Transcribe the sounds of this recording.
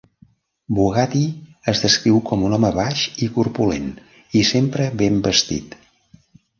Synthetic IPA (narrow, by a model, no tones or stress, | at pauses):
buɣat̪iəzðəskɾiwkɔmunɔməβaʃikurpulḛn | isempɾəβembəst̪ḭt̪